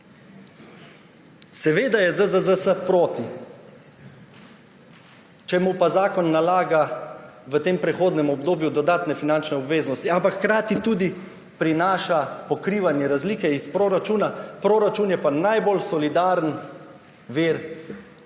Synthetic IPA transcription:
sɛʋeːd̪ajɛzəzəzəsəpɾoːt̪i | t͡ʃɛmupazaːkɔnːalaːɡaʋət̪eːmpɾɛxoːd̪nɛmɔbd̪oːbjud̪ɔd̪aːt̪nɛfinant͡ʃnɛɔbʋeːznɔst̪iampakxkɾaːt̪it̪uːd̪i | pɾinaːʃapɔkɾiːʋanjɛɾazliːkɛispɾoːɾat͡ʃuːnapɾoːɾat͡ʃuːnjɛpanajbolsɔlid̪aːɾən | ʋeːɾ

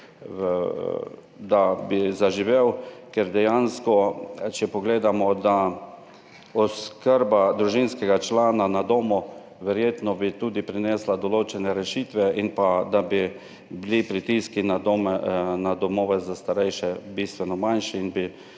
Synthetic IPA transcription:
d̪abizaʒiʋewkɛɾd̪ɛjanskɔt͡ʃɛpɔɡleːd̪amɔd̪a | ɔskəɾbad̪ɾuʒinskɛɡat͡ʃlaːnanad̪oːmu | ʋɛɾjeːt̪nɔbit̪uːd̪ipɾinɛːslad̪ɔloːt͡ʃɛnɛɾɛʃiːt̪ʋɛinpad̪abi | blipɾit̪iskinamnad̪ɔmoːʋɛzast̪aɾɛjʃɛbist̪ʋɛnɔmanʃiinbi

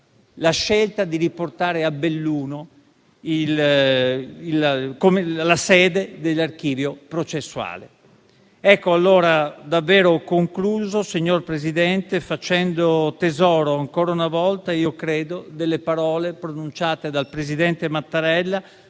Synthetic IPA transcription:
laʃːelt̪ad̪iɾiport̪aːɾeabelːuːno | il | ilkomelasɛːd̪ed̪elːark̟iːvjopɾot͡ʃesːua̰ːlḛ | ɛkːoalːoːɾad̪avːɛːɾokoŋkluːzosiɲːorpɾezid̪ɛnt̪efat͡ʃɛnd̪ot̪ezɔːɾoaŋkɔːɾaunavɔlt̪aiːokɾɛːd̪od̪elːepaɾɔːlepɾonunt͡ʃaːt̪ed̪alpɾezid̪ɛnt̪emat̪ːaɾɛlːa

